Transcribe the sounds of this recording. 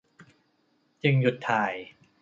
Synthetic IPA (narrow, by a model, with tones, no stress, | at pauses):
t͡ɕɯ˧ŋju˨˩t̪ʰːaː˨˩j